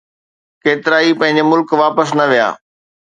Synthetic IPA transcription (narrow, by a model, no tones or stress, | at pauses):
keːt̪ɪɾaːipɐ̃ɦɪ̃ɲ̆d͡ʑemʊlkʋaːpəsnɐʋija̰ː